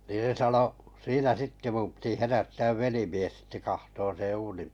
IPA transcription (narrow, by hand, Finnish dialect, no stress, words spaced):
niː se sɑno siːnæ sitːe mum piti herætːæːʋ ʋelimies sitːe kɑhtoːn̞ sẽː uːnim